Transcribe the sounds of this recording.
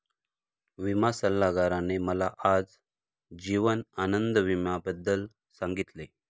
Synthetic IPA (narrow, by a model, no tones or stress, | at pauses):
ʋimasəlːaɡaɾaneməlaʔad͡z | d͡ʑiʋənanənd̪əʋimabəd̪ːəl | sãŋɡit̪le